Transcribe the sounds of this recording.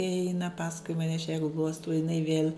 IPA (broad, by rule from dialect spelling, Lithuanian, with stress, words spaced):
ɪ ˈɛɪnɐ ˈpɑːskʊɪ mɐˈnʲɛ ɐʃ jɛ ˈɡlˠuɔstɐʊ jɪˈnɐɪ ʋʲiɛlˠ